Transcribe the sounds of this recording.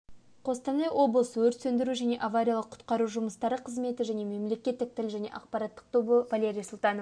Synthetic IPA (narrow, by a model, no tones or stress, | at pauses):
qʰo̞st̪ɑnɑjwʔo̞blˠəsəwɵɾt̪sɵnd̪ɪɾuʒæne̞ʔavaɾʲijalˠəqʰːʊ̥t̪qɑɾuʒʊməst̪ɑɾəqʰəzme̞t̪ɪʒæne̞me̞mle̞kʲe̞t̪ːɪk̚t̪ʰɪlʒæne̞̰ʔɑqpɑɾɑt̪ːə̥q̚t̪ʰobəvalʲeɾʲijsʊlˠt̪ɑno